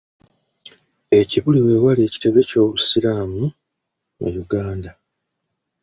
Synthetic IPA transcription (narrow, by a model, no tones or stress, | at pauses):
e̞ciβuliwe̞ːwaleːci̥te̞βe̞co̞ːβusilaːmu | mṵjuɡaːnda